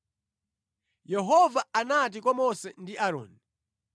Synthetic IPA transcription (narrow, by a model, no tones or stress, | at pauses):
jɛɦɔvaanat̬ikwamɔsɛndiʔaɾɔ̰ːni